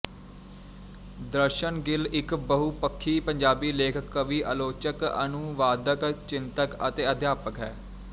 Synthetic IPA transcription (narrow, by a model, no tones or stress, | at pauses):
d̪əɾʃənɡɪlɪkbəɦupəkʰːiːpəɲd͡ʒaːbiːleːkʰəkːʋiːʔəloːt͡ʃəkə̰nʊʋaːd̪əkt͡ʃɪnt̪əkə̰t̪eːəd̪jaːpəkɦɛː